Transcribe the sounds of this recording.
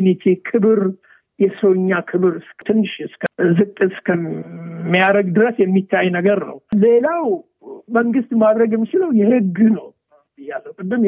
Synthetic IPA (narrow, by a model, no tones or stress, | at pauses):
unit̪ʰikʰɨβɾ | jɛsoɲːakʰɨβɨɾɨskt̪ʰɨnːɨʃɨskʰzɨkʼːɨskʰəmːijaɾəɡd̪ɨɾəsjɛmːit̪ʰːajnəɡəɾnə̰wlelaw | məŋɡɨst̪mad̪ɾəɡjɛmːit͡ʃɪləwjɛhɨɡːnəw | ɨjːalːəwkɨd̪ːɨm